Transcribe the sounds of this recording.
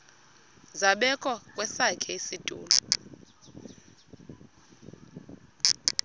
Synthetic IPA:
zaɓɛkʼɔkʼwɛsakʰɛisitʼṵːlɔ

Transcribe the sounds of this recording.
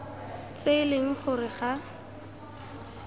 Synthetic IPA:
t͡seɪleŋ̩χʊrɪχa

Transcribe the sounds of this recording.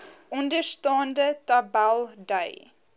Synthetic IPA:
ʔʊndəstɑːndətabalˠdeɪ

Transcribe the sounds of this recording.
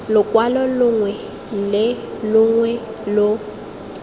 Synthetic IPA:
lʊkʼwalɔlʊŋwɛ | lɪlʊŋwɛ | lʊ

